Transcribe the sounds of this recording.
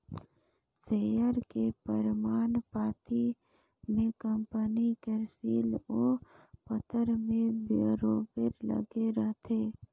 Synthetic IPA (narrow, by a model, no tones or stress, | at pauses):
seːjəɾkepəɾmaːnpaːt̪i | mẽkəmpənikeɾsiːloːpət̪əɾmẽbɾoːbɪɾlə̰ɡeɾəɦt̪ʰeː